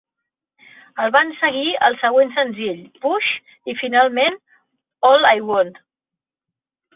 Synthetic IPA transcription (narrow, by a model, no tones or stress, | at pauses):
əlˠβansəɣiəlˠsəɣ̞wensənziʎpuʃ | ifinalˠmen | ɔlajwond̪